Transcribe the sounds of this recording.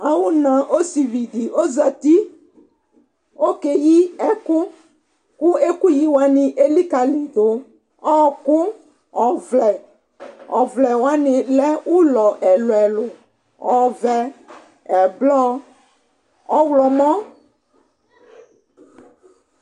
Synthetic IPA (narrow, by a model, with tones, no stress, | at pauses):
a˨wu˦nã˨ʔo˦si˨vi˨ɖi˨o˦zɛ˨t̪i˦ | wo˦ke˨ji˦ɛ˦ku˦ | ku˦e˦ku˦ji˦wa˦nĩ˨ʔe˦li˦ka˨li˨d̪o˦ | ɔ˦˨ku˦ | ɔ˨vlɛ˨ | ɔ˨vlɛ˨wa˦nẽ˨lɛ˦wu˦lɔ˨ʔɛ˨lo˨ɛ˨lo˨ | ɔ˨vɛ˨ | ɛ˨blɔ˦ | ɔ˦wlɔ˨mɔ̃˦